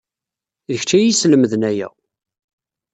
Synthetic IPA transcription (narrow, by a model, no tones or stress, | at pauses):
ðəçt͡ʃːæjisləməðənæjæ̰